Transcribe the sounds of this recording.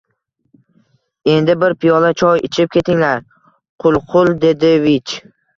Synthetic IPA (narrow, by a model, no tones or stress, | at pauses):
e̞nd̪ɪbɪɾpʰɪjɒlat͡ʃʰɒjɪt͡ʃʰɪp̚kʲʰe̞t̪ʰɪŋlaɾ | qʰʊlˠqʰʊlˠd̪e̞d̪ɪvɪt͡ʃ